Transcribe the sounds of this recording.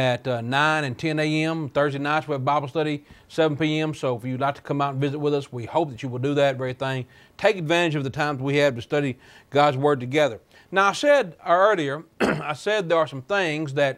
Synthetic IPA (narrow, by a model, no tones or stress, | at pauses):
ɨtʌnãɪ̃ñɨ̃ntʰɛ̃neɪɛ̃mθɜ˞zdeɪnãɪ̃nswiɨvbaɪbl̩ˠstʌɾisɛvn̩piɛ̃msoʊəfjɨdˡlaɪk̚tʰə̥kʰʌ̃maʊɾn̩vɪzɨt̚wəðʌswihoʊp̚ðɨt͡ʃɨwəlˠdɨðɨt̚vɛɹθɪ̃ŋ | tʰeɪkɨdvæ̃ɾ̃ɨd͡ʒʌvðɨtʰãɪ̃mzwiɨv̥tɨstʌɾi | ɡ̥ɑdzwɜ˞d̚tɨɡɛðə˞ | naʊaɪsɛdəɜ˞lˠiə˞aɪsɛd̪̚ðə˞ːsʌ̃mθɪ̃ŋzðɨt̚